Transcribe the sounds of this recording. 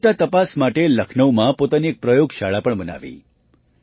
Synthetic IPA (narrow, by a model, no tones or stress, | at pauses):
ʈat̪əpasmaʈeləkʰnəʋmãpot̪aniek̚pɾəjoɡʃaɭapəɳbəna̰ʋḭ